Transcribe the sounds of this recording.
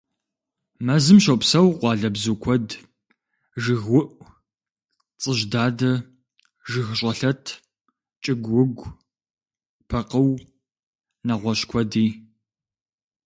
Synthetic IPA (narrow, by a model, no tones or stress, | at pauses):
mɐzɨmʃɐwpsɐwqʷɑːɮɐbzukʷʰɔd | ʒɨɣwʊʔʷ | t͡sʼɨʒdaːdɐ | ʒɨɣɕʼɐɬɐtʰ | t͡ʃʼɪɡʷʊɡʷ | pʰɐqəw | nɐʁʷɔɕkʷʰɔdiː